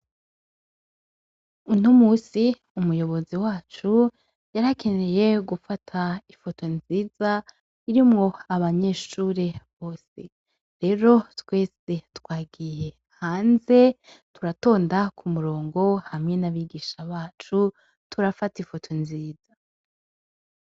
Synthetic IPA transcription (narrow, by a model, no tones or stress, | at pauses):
unomuːsi | umujo̞βo̞ziwaːt͡ʃu | jaɾakʰe̞neje̞ɡufatʰaifo̞to̞nziːza | iɾimŋo̞aβaɲe̞ːʃuːɾeβo̞ːse̞̰ | ɾe̞ɾo̞twe̞ːsetwaːɡije̞ | haːnze̞tuɾato̞ːndakʰumuɾo̞ːŋɡo̞hamŋe̞naβiɡiʃaβaːt͡ʃu | tuɾafatifo̞tʰo̞nziːz̥a